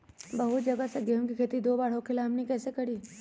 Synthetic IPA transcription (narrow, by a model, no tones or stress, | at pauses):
bɐɦʊt̪̚d͡ʒɐɡəseɡeːmkikʰeːt̪id̪oːbaːɽ̤okʰɪlaɦɐmnekɛːsekɐɽiː